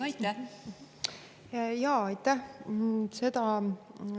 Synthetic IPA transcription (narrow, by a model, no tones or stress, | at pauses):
ɑjt̪ːæ | jɑːɑjt̪ːˑæh | se̞d̪ɑ